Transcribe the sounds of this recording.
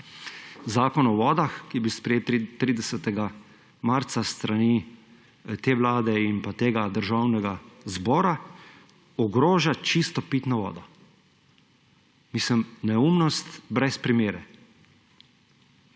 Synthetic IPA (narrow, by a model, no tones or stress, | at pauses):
zaːkɔnɔʋɔːd̪axkibispɾɛjeːt̪ːɾiːd̪ɛsɛt̪ɛɡa | maɾt̪sast̪ɾani | t̪eːʋlaːd̪ɛinpat̪eːɡad̪əɾʒaːwnɛɡazbɔːɾa | ɔɡɾoːʒat͡ʃist̪ɔpit̪nɔʋɔ̰ːd̪ɔ | misəmnɛumnɔst̪bɾɛspɾimeːɾɛ